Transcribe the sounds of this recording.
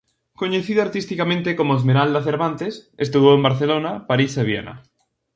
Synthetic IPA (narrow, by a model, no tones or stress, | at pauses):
koɲeθiðoaɾt̪ist̪ikamẽnt̪ekomoezmeɾald̪aθeɾβant̪esest̪uβoembaɾθelonapaɾiseβ̞jḛna̰